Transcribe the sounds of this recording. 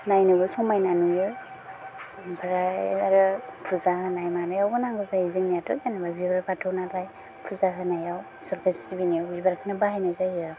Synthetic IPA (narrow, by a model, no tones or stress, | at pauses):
najnɯɡɯsɔmajnanujɯ | bʰɾaaɾɯpʰɯzaɦɯnajmanajawɡɯnaŋɡɯzaizɯŋnijatʰɔkanababibɾapatʰɯwnalaj | pʰɯzaɦɯnajaw | sɔɾkʰasibiniawibaɾakʰɯnabaɦajnajzahia